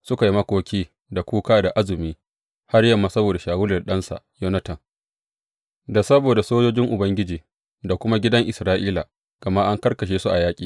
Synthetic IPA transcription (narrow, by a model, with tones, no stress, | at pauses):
sʊ˦ka˨ji˦mɐ˦kʷoː˦kʲiː˦ | da˨kʷuː˦kaː˦da˨ʔa˦zʊ˨miː˦ | ha˦rjɐ˨mːaː˨sɐ˦boː˨da˨ʃaː˨wʊ˦lɐ˨rɗɐ˦nsa̰˨ʔjo˦nɐ˦tɐ˨ŋ | da˨sɐ˦boː˨da˨soː˦d͡ʒoː˦d͡ʒɪ˦ŋʔʊ˨bɐ˦ŋɡʲɪ˦d͡ʒiː˨ | da˨kʷʊ˦ma˦ɡʲɪ˦dɐ˦ŋʔɪ˨sɾaː˦ʔiː˦la˨ | ɡ̥ɐ˨ma˦ʔa˦ŋkɐ˦rkɐ˨ʃ̬eː˦su˦ʔa˨jaː˦kʲʼiː˨